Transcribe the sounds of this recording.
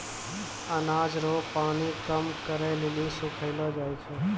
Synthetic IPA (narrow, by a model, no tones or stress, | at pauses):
ənad͡ʒɾopaːɽ̃ikəmkəɾelelisukʰəɪlod͡ʒajt͡ʃʰe